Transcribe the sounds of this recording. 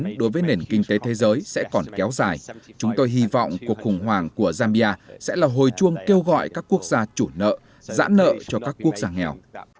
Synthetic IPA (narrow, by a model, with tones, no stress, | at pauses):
nɗo˨˦jvəː˨˦jne˨˩nkï˧ŋ̟t̪e˨˦t̪ʰe˨˦zəː˨˦jsɛ̰˧˥kɔ˨˩nkɛ˨˦wzaː˨˩jt͡ɕʊ˨˦ŋ͡mt̪o˧jɦi˧vɔ̰˧˨wŋ͡mku˨˩ək̚xʊ˨˩ŋ͡mɦwaː˨˩ŋku˧˩əzaː˧mi˧ʔaː˧sɛ̰˧˥laː˨˩ɦo˨˩jt͡ɕu˧əŋke˧wɣɔ̰˧˨jkaː˦˥kːu˦˥ək̚zaː˧t͡ɕu˧˩nə̰ː˧˨ | za̰ː˧˥nːə̰ː˧˨t͡ɕɔ˧kaː˦˥kːu˦˥ək̚zaː˧ŋɛ˨˩w